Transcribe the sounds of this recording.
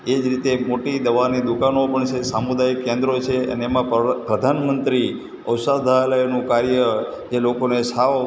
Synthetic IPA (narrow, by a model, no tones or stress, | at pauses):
ed͡ʒɾit̪emoʈid̪əʋanid̪ukanopəɳt͡ʃʰesamud̪ajkːẽnd̪ɾot͡ʃʰeə̰neːmãpɾəd̪ʱanmənt̪ɾi | əwsad̪ʱaləjonũkaɾjə | d͡ʒelokonesa